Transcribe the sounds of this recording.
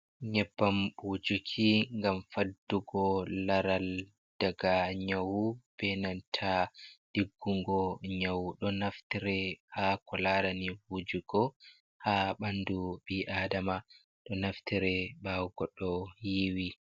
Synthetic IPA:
ɲɛbːambud͡ʒukʰiŋɡamfadːuɡɔlaɾal | d̥aɡaɲawub̥ɛnantʰaɗiɡːuŋɡɔɲawuɗɔnaftiɾɛhakɔlaɾaniwud͡ʒuɡ̥ɔ | haɓanduɓiʔaːdama | ɗɔnaftiɾɛɓawɡɔɗːɔjiwi

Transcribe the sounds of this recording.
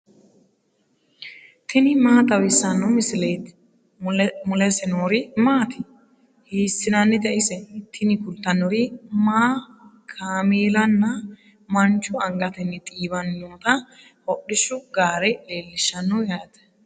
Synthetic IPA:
t̪ʰɪnɪmaːt̪ɐwɪsːɐnːɔmɪsɪleːt̪ | mʊlɛsɛnoːɾɪmaːt̪ɪ̥ | hiːsːɪnɐnːɪd̪ɛʔɪsɛnt̪ːɪnɪkʊlt̪ːɐnːɔɾɪmaːkʰaːmeːlɐnːɐ | mɐnt͡ʃːʊɐŋɡɐt̪ɪnːɪt̪ʼiːbɐnːoːt̪ɐ | hɔɗːɪʃʊɡaːɾɛle̞ːlːɪʃːɐnːɔjaːt̪

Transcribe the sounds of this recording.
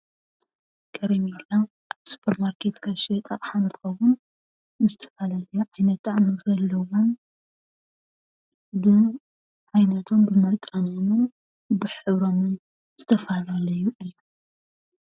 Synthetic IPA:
kʰʼɐɾɐmila | su̥pʰːɐɾmaɾkʰet̪kʰaʃet̪ʼaʔħanɨt̪ɨxɐβunː | ɨzɨt̪ʰɐ̥falalɐjʕajnɐt̪ːaʕnɨzɐlːɐwom | bɨ | ʕajnɐt̪ʰo̞mbɨmɐt̪ʼɐnomɨn | bɨħɨβɾo̞mɨn | z̥ɨt̪ʰɐfalalɐjuʔilːu

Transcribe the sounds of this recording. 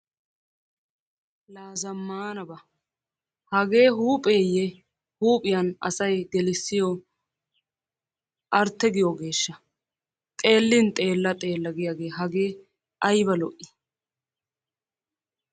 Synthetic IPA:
laːzɐmːaːnɐbɐ | hɐɡe̞ːɦuːpʼeːjɛ | huːpʼɪjɐnɐ̰sɐjɡɛlɪsːɪjɔ | ʔɐɾt̪ːɛɡɪjɔɡe̞ːʃːɐ | t̪ʼe̞ːlːɪnt̪ʼe̞ːlːɐt̪ʼe̞ːlːɐɡɪjaɡe̞ːɦɐɡe̞ː | ɐjbɐlɔʔːɪ̥

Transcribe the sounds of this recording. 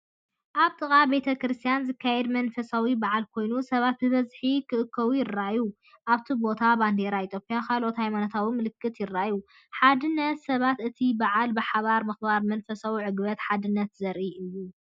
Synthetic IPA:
ʔaβt̪ʼɨkʼabe̞t̪ʰɐkɾɨst̪ʰijanzɨkʰːajɛd̪mɐnfɐsawibaʕalkʰo̞jnusɐβat̪̚bɨβɐzħikʰɨʔɨkʰːɐwujɪrːaju | ʔaβt̪ʰibo̞t̪ʰaband̪eɾait̪ʼjo̞pʼijakʰalʔo̞t̪hajmanot̪ʰawimɨlɨkːɨt̪jɪrːaju | ħad̪ɨnːɐt̪sɐβat̪ʔɨt̪ʰibaʕalbɨħaβaɾmɐxbaɾmɐnfɐsawiʕɨɡbɐt̪ħad̪ɨnːɐt̪zɐɾʔiʔɨjːu

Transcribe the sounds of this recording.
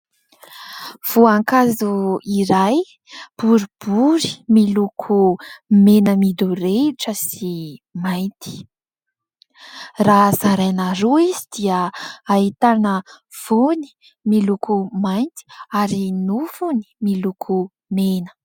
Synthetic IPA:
v̥uaŋkazuiɾaj | b̥uɾib̥uɾi̥milukʰumenəmid̪uɾeʈ͡ʂəsimajnt̪i̥ | razaɾajnaɾoizid̪̥iəait̪anə | v̥uni̥ | milukumajnt̪i̥aɾinufuni̥milukʰu | menə̥

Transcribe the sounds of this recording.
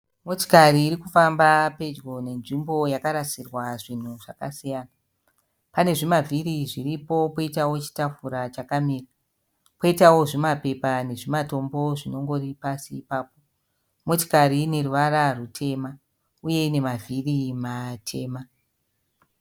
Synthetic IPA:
mo̞ti̥kaɾiːrikufambape̞d͡ʒɡo̞ne̞nʐimbo̞jakaɾasirwaʐin̤uʐaka̰sijana | pane̞ʐimavʱiriʐiripo̞poitawo̞t͡ʃi̥tafuɾat͡ʃakamiːra | poitawo̞ʐimape̞pane̞ʐimato̞mbo̞ʐino̞ŋɡo̞ripasiːpaːpo̞ | mo̞ti̥kaɾiːne̞ruʋaɾarutʰe̞ma | uje̞ine̞mavʱirimatʰe̞ːma

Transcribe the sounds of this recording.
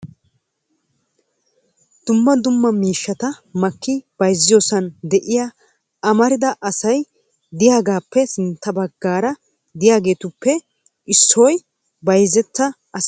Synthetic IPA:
d̪̥ʊmːɐd̪ʊmːɐmiːʃːɐt̪ɐmɐkːɪb̥ɐjzːɪjo̞ːsɐnd̪ɛʔɪja | ɐmɐɾɪd̪ɐʔɐsɐj | d̪ɪjaːɡaːpːɛsɪnt̪ːɐbɐɡːaːɾɐ | d̪ɪjaːɡe̞ːt̪ʊpːɛ | ʔɪsːoj | bɐjzɛt̪ːɐ | ɐs

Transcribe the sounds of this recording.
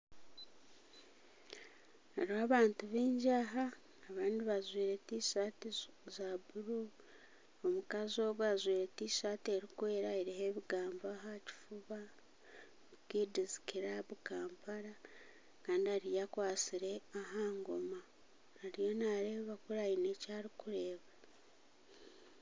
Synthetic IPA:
aɾiaːβaːntuβiːɲɟaɦaː | βaːndiβazwiːɾetiːʃaːti | zabuɾu | omukazo̞ːβuazwiːɾetiːʃaːtieɾikwe̞ːɾaeɾiɦe̞βiɡaːmboaɦaci̥fuβa | βukiːdizi̥kiɾaβukaːmpaɾa | kaːndiaɾijakwaːsiɾe̞aɦaːŋɡo̞maː | ɾijo̞naːɾeːβakuɾajine̞ːcaːɾikuɾe̞ːβa

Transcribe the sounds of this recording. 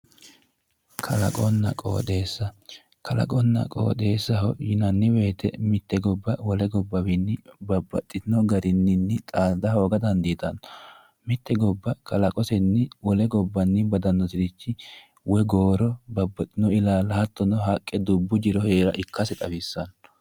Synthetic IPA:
kʰɐlɐ̰kʼɔnːɐ̰kʼo̰ːt̪e̞ːsːɐ | kʰɐlɐ̰kʼɔnːɐ̰kʼo̰ːd̪e̞ːsːɐhɔjɪnɐnːɪwe̞ːt̪ɛmɪt̪ːɛɡɔbːɐwɔlɛɡɔbːɐwɪnːɪbɐbːɐt̪ʼːɪnɔɡɐɾɪnːɪnːɪt̪ʼaːd̪ɐho̞ːɡɐd̪ɐnd̪iːt̪ɐnɔ | mɪt̪ːɛɡɔbːɐkʰɐlɐkʼɔsɛnːɪwɔlɛɡɔbːɐnːɪbɐd̪ɐnːɔt̪ɪd̪ɪt͡ʃːɪ | wɛɡoːɾɔbɐbːɐt̪ʼːɪnɔɪlaːlɐhɐt̪ːɔnɔɦɐkʼːɛd̪ʊbːʊd͡ʒɪɾɔheːɾɐʔɪkʰːɐsɛt̪ʼɐbɪsːɐn

